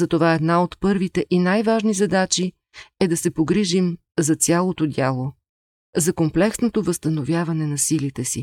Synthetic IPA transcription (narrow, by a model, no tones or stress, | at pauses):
zɐt̪ovaɛd̪naot̪pɤɾvit̪ɛʔinajvaʒnizɐd̪at͡ʃi | ɛd̪ɐsɛpoɡɾiʒim | zɐt̪sʲjalˠot̪od̪ʲalˠo | zɐkomplɛksnot̪ovəst̪ɐnovʲjavɐnɛnɐsilit̪ɛsḭ